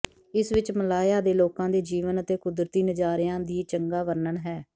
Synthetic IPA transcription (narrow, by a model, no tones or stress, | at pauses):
ɪsʋɪt͡ʃməlaːjaːd̪eːloːkãːd̪eːd͡ʒiːʋənət̪eːkʊd̪ɾət̪iːnəd͡ʒaːɾɪjãːd̪iːt͡ʃəŋɡaːʋəɾnəɳɦɛː